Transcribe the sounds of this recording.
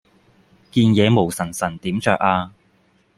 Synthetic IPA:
kiː˧njɛː˨˧mo˨˩wsɐ˨˩nsɐ˨˩nt̪iː˨˥mt͡ʃœː˧k̚aː˧

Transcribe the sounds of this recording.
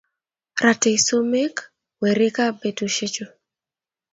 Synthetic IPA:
ɾa˨te˨so˦me˦k | we˨ɾɪ˦ka˦be˨du˨ʃe˦t͡ʃo˨

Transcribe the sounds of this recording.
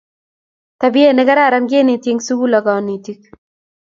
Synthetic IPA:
t̪a˨bi˦e˦nɛ˦ɡa˦ɾa˦˨ɾa˦ŋɡe˦ni˨t̪je˦ŋsu˦ɡu˦lɔ˨ɡa˨ni˨t̪i˦k̚

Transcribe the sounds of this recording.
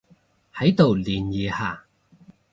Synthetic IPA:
hɐ˨˥jt̪o˨wliː˨˩njiː˨haː˨˩

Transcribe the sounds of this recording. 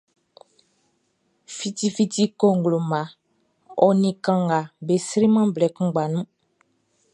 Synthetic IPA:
fi˦ti˦fi˦ti˦ko˦ŋ˨ɡlo˨mã˨ | ɔ˨nĩ˨kã˨ŋɡa˨be˨si˦ɾi˦mã˦blɛ˨kũ˦ɡ͡ba˨nũ˦

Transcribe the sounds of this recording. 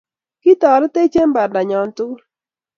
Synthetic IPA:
ki˦tɔ˨ɾɔ˦te˦t͡ʃe˦mba˨ɾda˨ɲɔ˨n˦tʊ˦l

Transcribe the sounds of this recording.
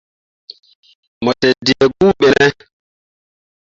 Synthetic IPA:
mɔ˨tɛ˨di˨ɛ˨ɡu˦ɓɛ˨nɛ˦

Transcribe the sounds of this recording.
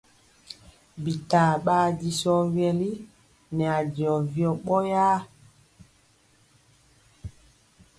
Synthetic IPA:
bi˨ta˨ɓaː˦di˨sɔ˦wjɛ˨li˦ | nɛ˨a˨di˨ɔ˨vjɔ˨ɓɔ˦jaː˦

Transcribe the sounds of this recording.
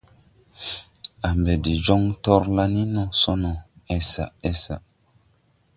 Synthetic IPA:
a˨mbe˨di˨d͡ʒo˦ŋtɔ˦ɾla˦ni˦nɔ˨so˦nɔ˨ɛ˨sa̰˨ʔɛ˦sa̰˨

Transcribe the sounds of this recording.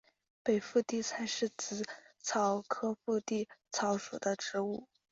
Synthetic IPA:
pe˨˩ɪfu˥˧t̪i˥˩t͡sʰa˧˥ɪʂɻ̩˥˩t͡sɹ̩˧˥t͡sʰɑ˧˥ʊkʰɤ˥fu˥˧t̪i˥˩t͡sʰɑ˧˥ʊʂṵ˨˩d̪ə˦ʈ͡ʂɻ̩˧˥u˥˩

